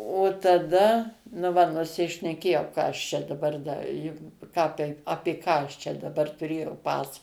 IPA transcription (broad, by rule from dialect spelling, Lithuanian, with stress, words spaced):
oː tɐˈdɐ nʊ ˈʋɐ nʊsʲɪʃʲnʲɛˈkʲeːjɛʊ ˈkɑː ɐʃ ˈt͡ʃʲɛ dɐˈbɐr ˈdɐ jʊk ˈkɑː tɐɪp ˈɑːpʲeː kɑː ˈt͡ʃʲɛ dɐˈbɐr tʊˈrʲeːjɛʊ ˈpɑːsɐ